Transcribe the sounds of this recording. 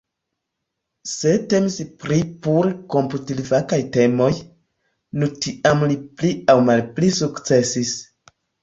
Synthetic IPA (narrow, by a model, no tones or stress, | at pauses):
se̞te̞mispɾipuɾko̞mputilivakajte̞mo̞j | nutiamlipliawmalplisukt͡se̞sis